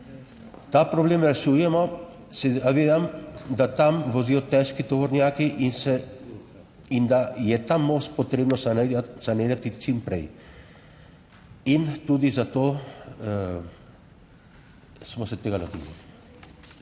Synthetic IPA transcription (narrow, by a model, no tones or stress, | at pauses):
t̪apɾɔbleːmɾɛʃujɛmɔ | sɛaʋeːd̪amd̪at̪amʋɔziːjɔt̪ɛʃkit̪ɔʋɔɾnjaːkiʔisɛ | ind̪ajɛt̪amost̪̚pɔt̪ɾeːbnɔssaneːd̪at̪it͡ʃimpɾɛ̰j | int̪ud̪izat̪oː | smɔsɛt̪eːɡalot̪ḭlḭ